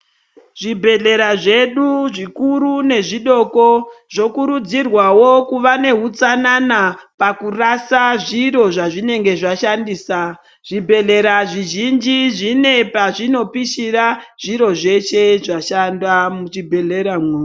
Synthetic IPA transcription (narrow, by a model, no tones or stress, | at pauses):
ʐ̥ibʱe̞ɮe̞ɾaʐe̞ɗuʐikuɾune̞ʐiɗo̞ko̞ʐ̥o̞kuɾud͡zirwawo̞kuʋane̞ɦut͡sananapakurasaʐiɾo̞ʐaʐine̞ŋɡe̞ʐaʃandiːsa | ʐ̥ibʱe̞ɮe̞ɾaʐiʒind͡ʒiʐine̞paʐino̞piʃiraʐ̥iɾo̞ʐe̞ʃe̞ʐaʃandwamut͡ʃibʱe̞ɮe̞ɾamwuː